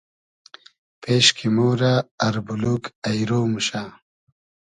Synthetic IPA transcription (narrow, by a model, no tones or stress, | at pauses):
peːɕkʰimuːɾaːɾbulukɐjɾoːmuɕaː